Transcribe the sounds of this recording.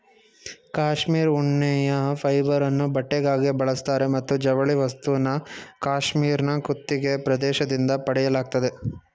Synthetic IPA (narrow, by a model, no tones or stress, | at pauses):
kaːʂmiːɾuɳːɛjɐpʰɐjbɐɾɐnːubɐʈːeɡaːɡibɐɭɐst̪aːɾe̞mɐt̪ːud͡ʒɐʋɐɭiʋɐst̪uʋɐnːɐkaːʃmiːɾnɐkut̪ːiɡe̞pɾɐd̪ɛːʃɐd̪ind̪ɐpɐɽɛjɐlaːɡ̚t̪ɐd̪e̞